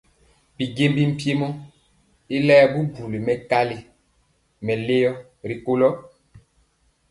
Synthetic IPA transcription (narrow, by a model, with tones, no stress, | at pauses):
bi˨ɡe˦mbi˦m̩˨pje˦mɔ˦ | i˦lɛː˦bu˦ɡu˨li˨mɛ˨ka˦li˦ | mɛ˨le˦jɔ˦ | ɾi˨ko˦lɔ˦